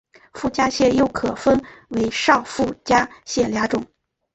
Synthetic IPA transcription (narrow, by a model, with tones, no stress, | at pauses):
fu˥˩t͡ɕja˥ɕjɛ˥˩jo˥ʊkʰɤ˨˩fə˥nwe˧˥ɪʂɑ˥˧ʊfu˥˩t͡ɕja˥ɕjɛ˥˩lja˧˥ʈ͡ʂʊ˨˩˦ŋ